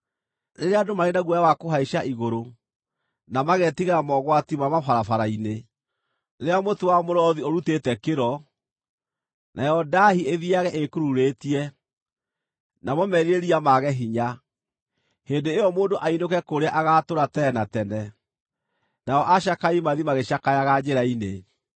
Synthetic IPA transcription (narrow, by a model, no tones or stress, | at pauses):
neɾeadomaɾenaɣwɔjawakoɦaiʃaʔiɣoɾo | namaɣɛtiɣamɔɣwatimamafaɾafaɾaine | nɾeamotowamoɾɔðioɾutetɛkeɾɔ | nʔajɔdahieðiaɣɛʔekuɾuɾetiɛ | namɔmɛɾiɾeɾiamaɣɛɦiɲa | hendeːjɔmoːndoʔainokɛkoɾeaʔaɣatoɾatɛnatɛnɛ | naɔʔaʃ̬akaimaðimaɣeɕakajaɣad͡ʑeɾaine